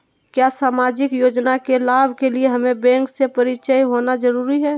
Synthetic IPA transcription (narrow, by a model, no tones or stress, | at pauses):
kjasaːmaːd͡ʒɪkjoːd͡ʒnakelaːbʱkelieɦɐmẽbɛ̃ːŋksepɐɾɪt͡ʃəjɦoːnad͡ʒəɾuːɾiɦɛː